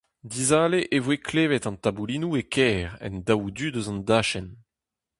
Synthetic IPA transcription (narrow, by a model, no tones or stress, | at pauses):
d̪izaːleʔevwekʰleːvɛt̪ɑ̃nt̪abuliːnuekʰɛːʁɛ̰ndawd̪yd̪øzɑ̃nd̪aːʃɛn